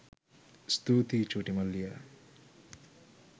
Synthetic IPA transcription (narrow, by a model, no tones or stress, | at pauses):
st̪uːt̪it͡ʃuːʈimɐlːijɐ